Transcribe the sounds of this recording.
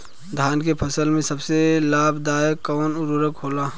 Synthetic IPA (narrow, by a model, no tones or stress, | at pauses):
d̪ʱaːnkepʰəsəlmẽsəbselaːbd̪aːjekɔːnʊɾuɾəkɦoːlaː